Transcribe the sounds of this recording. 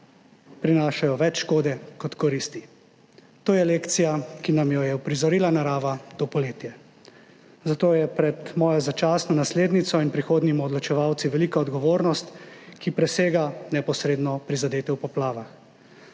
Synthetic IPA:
pɾinaːʃajɔʋɛt͡ʃʃkoːd̪ɛkɔt̪kɔɾist̪i | t̪oːjɛleːkt̪sijakinamjɔjɛwpɾizɔɾiːlanaɾaːʋat̪oːpɔleːt̪jɛ | zat̪oːjɛpɾɛt̪mɔːjɔzat͡ʃaːsnɔnasleːd̪nit̪sɔinpɾixoːd̪nimɔd̪lɔt͡ʃɛʋawt̪siʋɛliːkaɔd̪ɡɔʋoːɾnɔst̪kipɾɛseːɡanɛpɔsɾeːd̪nɔpɾizad̪eːt̪ɛwpɔplaːʋax

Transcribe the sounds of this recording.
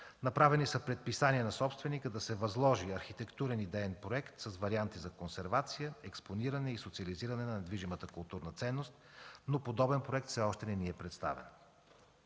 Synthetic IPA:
nɐpɾavɛnisəpɾɛt̪̚pisaniɛnɐsɔpst̪vɛnikəd̪ɐsɛvɐzlˠɔʒiɐɾxit̪ɛkt̪uɾɛnid̪ɛɛnpɾoɛkt̪sɐsvɐɾiant̪izɐkonsɛɾvat̪sijəɛksponiɾɐnɛisot̪siɐliziɾɐnɛnɐnɛd̪viʒimət̪əkʊlˠt̪uɾnət̪sɛnːost̪̚nopod̪ɔbɛnpɾoɛk̚t̪fsɛɔʃt̪ɛnɛniɛpɾɛt̪st̪a̰vɛ̰n

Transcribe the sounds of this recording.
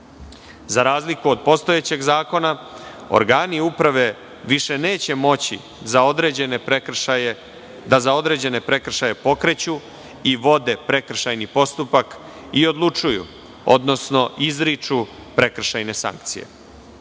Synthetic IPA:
zaɾaːzlikuod̪̚po̞st̪ojet͡ɕe̞ɡzaːko̞na | o̰ɾɡaːniupɾaʋe̞ | ʋiʃe̞ne̞ːt͡ɕe̞mo̞t͡ɕḭ | zaod̪ɾed͡ʑeneɾeje | d̪azao̞d̪ɾe̞ːd͡ʑe̞ne̞pɾe̞kr̩ʃaje̞po̞kɾe̞t͡ɕu | iʋo̞d̪e̞pɾe̞kr̩ʃajnipo̞st̪upak | io̞d̪lˠut͡ʂujṵ | o̰d̪no̞sno̞ʔizɾit͡ʂupɾe̞kr̩ʃajne̞sa̰ŋk̚t̪sije̞̰

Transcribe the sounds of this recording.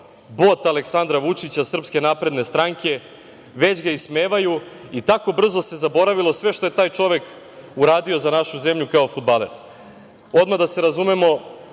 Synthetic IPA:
bo̞t̪ale̞ksand̪ɾaʋut͡ʂit͡ɕasr̩pske̞napɾe̞d̪ne̞st̪ɾaŋkʰe̞ | ʋe̞d͡ʑɡaismeːʋajuit̪ako̞br̩zo̞se̞zabo̞ɾaʋilo̞sʋe̞ʃt̪o̞je̞t̪aːjt͡ʃo̞ʋe̞k | uɾaːd̪io̞zanaʃuze̞mʎukao̞fud̪̚baleɾ | o̞d̪mad̪ase̞ɾazumemo̞

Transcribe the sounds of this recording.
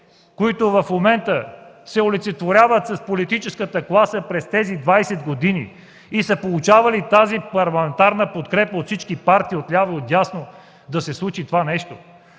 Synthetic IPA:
koit̪ʊvɐfmomɛnt̪ə | sɛolit̪sɛt̪voɾʲavət̪sɐspolit̪it͡ʃɛskət̪əklˠasəpɾɛst̪ɛzid̪vajsɛd̪ɡod̪inḭ | isəpolˠut͡ʃavɐlit̪azipɐɾlˠɐmɛnt̪aɾnəpot̪kɾɛpəot̪fsit͡ʃkipaɾt̪iːot̪lʲavəot̪jasno | d̪ɐsɛslˠut͡ʃit̪ovanɛʃt̪o̰

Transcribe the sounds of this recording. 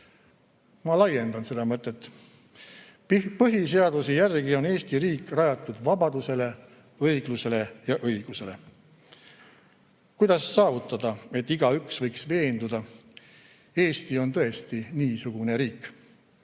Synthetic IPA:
mɑlɑje̞nd̪ɑnse̞d̪ɑmɤt̪ːˑe̞t̪ːˑ | pɤɦis̬e̞ɑd̪̥usejærɡ̥io̞ne̞ːst̪iɾiːkːˑrɑjɑt̪ːˑud̪̥vɑbɑd̪̥use̞le̞ | ɤjɡ̥luse̞le̞jɑʔɤjɡ̥use̞le̞ | kujd̪ɑsːɑːvut̪ːˑɑd̪̥ɑe̞t̪ːiɡ̥ɑyksvɤjksve̞ːnd̪ud̪̥ɑ | e̞ːst̪io̞nt̪ɤ̞e̞st̪iniːsuɡ̥une̞ɾiːkː

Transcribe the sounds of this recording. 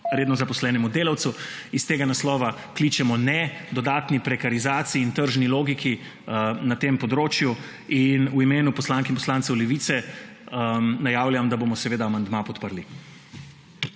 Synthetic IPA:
ɾeːd̪nɔzapɔslɛːnɛmud̪eːlawt̪suist̪eːɡanaslɔːʋa | klit͡ʃɛmɔnɛd̪ɔd̪aːt̪nipɾɛkaɾizaːt̪siːnt̪əɾʒniloːɡikʰi | nat̪eːmpɔd̪ɾoːt͡ʃju | inuimeːnupɔslaːŋkɛinmpɔslaːnt̪sɛwlɛʋiːt̪sɛ | ənajaːwljamd̪aboːmɔsɛʋeːd̪aːmand̪mapɔt̪pəɾli

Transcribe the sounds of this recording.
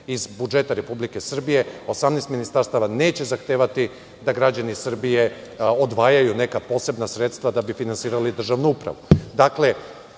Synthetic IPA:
izbud͡ʒe̞t̪aɾe̞publike̞sr̩bije̞o̞samnɛjst̪minist̪aɾst̪aʋane̞ːt͡ɕe̞zaxt̪eːʋat̪i | d̪aɡɾad͡ʑanisr̩bije̞od̪ʋaːjajune̞kapo̞ːse̞bnasɾe̞t̪st̪ʋad̪abifinansiːɾalid̪r̩ʒaʋnuupɾa̰ʋud̪akle̞

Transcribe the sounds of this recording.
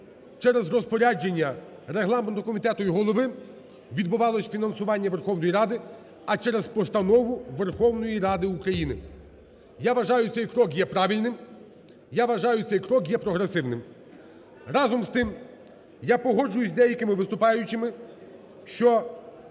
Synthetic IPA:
t͡ʃɛɾezrɔspɔɾʲad͡ʒenʲːɐ | ɾeɦlˠɑment̪ɔkɔmʲit̪ɛt̪ʊjiɦɔlˠɔʋɪ | ʋʲid̪bʊʋɑlˠɔsʲfʲinɐnsʊʋɑnʲːɐʋerxɔwnɔjiɾɑd̪ɪ | ɐt͡ʃɛɾezpɔst̪ɐnɔʋʊʋerxɔwnɔjiɾɑd̪ɪukɾɐjinɪ | jaʋɐʒɑjʊt̪sɛjkɾɔkjɛpɾɑʋʲilʲnɪm | jaʋɐʒɑjʊt̪sɛjkɾɔkjɛpɾɔɦɾesɪwnɪm | rɑzɔmst̪ɪm | japɔɦɔd͡ʒʊjʊzʲd̪ɛjɐkɪmɪʋɪst̪ʊpɑjʊt͡ʃɪmɪ | ʃt͡ʃɔ

